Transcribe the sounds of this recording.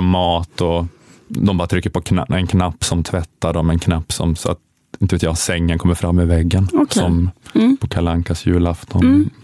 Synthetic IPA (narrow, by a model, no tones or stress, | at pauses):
mɑːt̪ɔ | d̪ɔmbɑːɾat̪ʰɾʏkːəɾpʰɔkʰnɛnkʰnapːsɔmt̪ʰvɛt̪ːaɖɔmɛnkʰnapːsɔ̰msɔa̰t̪ | ɪnəveːt̪jɑːsɛŋːənkʰɔmːəɾfɾamːɪvɛɡːənsɔmpʰɔkʰalaŋkasjʉːlaft̪ʰɔn